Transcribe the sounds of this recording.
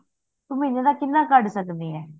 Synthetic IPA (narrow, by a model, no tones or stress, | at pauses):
t̪umĩnẽd̪aːkɪnːãːkəɖsəkd̪iːɦɛː